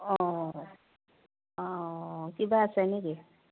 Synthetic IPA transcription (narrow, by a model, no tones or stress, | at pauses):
ɔ | ɔkibaːsaneki